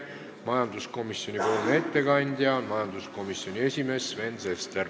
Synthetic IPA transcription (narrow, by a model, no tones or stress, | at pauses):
mɑjɑnd̪usko̞misːjo̞nʲipoːlnee̞t̪ːekɑnʲd̪̥ʲjɑmɑjɑnd̪usko̞misːjo̞nʲie̞sʲime̞sve̞nsest̪er